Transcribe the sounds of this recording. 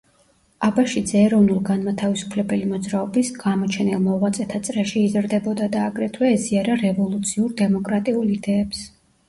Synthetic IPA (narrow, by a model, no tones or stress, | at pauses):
abaʃid̪zɛːɾɔvnulˠɡanmat̪ʰavisu̥pʰlɛbɛlimɔd̪zɾaɔbisɡamɔt͡ʃʰɛnɛlˠmɔʁwat̪sʼɛt̪ʰat̪sʼɾɛʃiːzɾd̪ɛbɔd̪ad̪aːɡɾɛt̪ʰwɛːziaɾaɾɛvɔlˠut̪sʰiuɾd̪ɛmɔkʼɾat̪ʼiulˠid̪ɛːps